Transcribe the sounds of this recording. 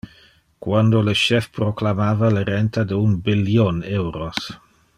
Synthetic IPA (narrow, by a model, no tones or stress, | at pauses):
kwand̪oləʃɛfpɾoklamaːvaləɾɛnt̪ʰadəunbiljonɛwɾos